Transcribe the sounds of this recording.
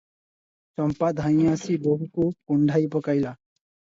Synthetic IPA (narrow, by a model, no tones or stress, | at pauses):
t͡ʃɔmpad̪ʱaj̃asiboɦukukuɳɖʱajpɔkajla